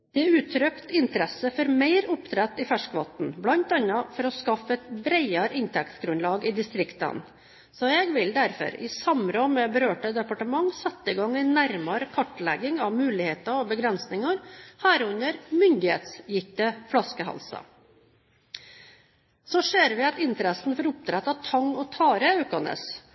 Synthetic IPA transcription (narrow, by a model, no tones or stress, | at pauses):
d̪̥ɛæʉːt̪ʰɾœkt̪ɪnt̪əɾɛsəfɔɾmæɪɾʊpt̪ʰɾæt̪ːɪfæʂkʋɑt̪n̩blɑnt̪ɑnːɑfɔɾɔskɑfəɛt̪bɾæɪɑɾəʔɪnt̪ʰɛkt̪ɡɾʉnlɑːɡɪd̪ɪst̪ɾɪkt̪ɑ̰n | sɔɛɡʋɪld̪æɾfɔ̰ɾɪ̰sɑmɾɔmɛbəɾøːʈəd̪ɛpɑʈəmɑŋːsɛt̪ːəɪɡɑŋːɛɪnæɾmɑɾkʰɑʈːlæ̰ɡɪŋɑʋmʉːlɪheːt̪ɑɔbəɡɾɛnsnɪŋɑɾhæːɾʉnəɾmʏnd̪ɪhḛːt̪sjɪft̪əflɑskəɦɑ̰lsɑ̰ | sɔseːɾʋɪɑt̪ɪnt̪əɾɛsn̩fɔɾʊp̚t̪ʰɾɛt̪ːɑt̪ʰɑŋːɔt̪ʰɑːɾəɑʉkɑnə̰s